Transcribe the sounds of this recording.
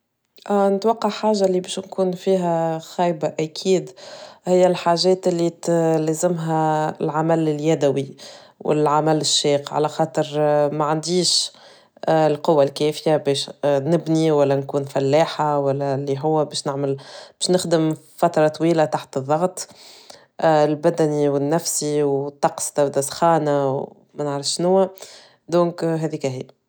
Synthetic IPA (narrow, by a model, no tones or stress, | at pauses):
ʔnɪt̪wɑqːɑʕħaːʒːalibɛːʃnkuːnfiːɦæxɑjbaʔækʰiːd̪hɪjːælħaːʒɛːt̪ɪlːilɛːzɪmɦælʕamælɪljæd̪æwi | wʔɪ̰lʕamælɪʃːiːqʕa̰læxɑːt̪ˤəɾmaʕand̪iːʃ | lqʊwːalkɛːfɪjabɛːʃnɪbniwælːænkuːnfælːaːħawælːælːiɦʊwːæbɛːʃnɪʕmɪlb̥ɛːʃnɪxd̪əm | fæt̪ɾˤɑt̪ˤwiːlat̪aħt̪ɨðˤːɑɣt̪ˤ | ɪlbæd̪æniwɪnːæfsiwt̪ːɑqst̪ɪbd̪æsxɑːnaw | mænəʕɾəfʃʃnʊwːæ | d̪õːŋkɦɛːðiːkæɦḭː